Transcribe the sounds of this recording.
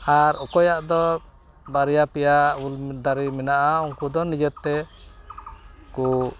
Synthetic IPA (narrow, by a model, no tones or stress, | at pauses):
aɾɔkɔjaʔd̪ɔ | baɾɛjapɛjauld̪aɾimɛnaʔauŋkud̪ɔnid͡ʒɔt̪t̪ːɛ | ku